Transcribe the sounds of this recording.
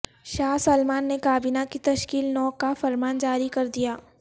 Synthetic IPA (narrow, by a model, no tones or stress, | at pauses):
ʃaːɦsɐlmaːnːekaːbiːnakit̪ɐʃkiːlnɔːkːafɐɾmaːnd͡ʒaːɾikɐɾd̪ijaː